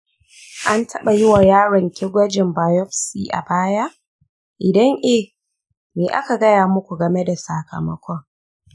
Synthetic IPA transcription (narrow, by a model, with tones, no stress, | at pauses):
ʔa˦ntʰɐ˦ɓa˨jɪ˦wa˨jaː˦ɽɐ˨ŋkʲe˦ɡʷɐ˦d͡ʒɪ˨mbaː˨jɔ˦ɸsiː˨ʔa̰˨baː˦ja˦ʔ | ʔɪ˨dɐ˦ŋʔe˦˨ | meː˨ʔa̰˦ka˨ɡɐ˦jaː˨mʊ˦kʷu˨ɡɐ˨me˦da˨sa˨kɐ̰˨mɐ˦kʷɔ˦ŋ